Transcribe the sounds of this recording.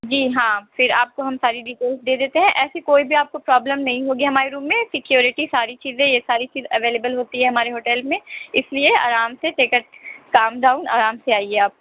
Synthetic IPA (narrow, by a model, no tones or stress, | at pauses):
d͡ʒiːɦãːfɪɾaːp̚koɦɐmsaːɾiɖɪʈeːlsd̪eːd̪eːt̪eɦɛ̃ʔɛːsikoːibʱiaːp̚kopɾaːbləmnɐɦĩɦoːɡiɦɐmaːɾeɾuːmːẽsɪkjoːɾɪʈisaːɾit͡ʃiːzẽjesaːɾit͡ʃiːzɐʋeːleːbəlɦoːt̪iɦɛɦɐmaːɾeɦoːʈɛlmẽɪsliea̰ːɾaːmseʈeːkəʈ̚kaːmɖaːʊna̰ːɾaːmseaːiɛaːp̚ko